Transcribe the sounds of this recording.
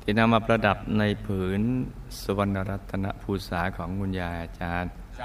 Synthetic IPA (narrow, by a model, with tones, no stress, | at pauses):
t̪ʰi˨˩na˧mʔa˨˧˩p̚ɾa˧da˨˩p̚na˧jpʰɯː˩˦n | su˧wa˧nːa˧ɾa˦˥t̪ʰːa˧na̰˦˥ʔpʰuː˧saː˩˦kʰɔː˩˦ŋːu˧njaː˧jʔa˧˩t͡ɕaː˧n